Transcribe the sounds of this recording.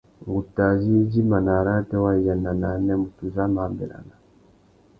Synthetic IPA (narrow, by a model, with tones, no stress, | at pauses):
ŋɡu˨ta˨zi˦d͡ʒi˦ma˨na˨ɾa˦tɛ˦wa˦i˨ja˨na˨na˨˦nɛ˦mu˨tu˨za˦maː˨mbḭ˨ɾa̰˨na˨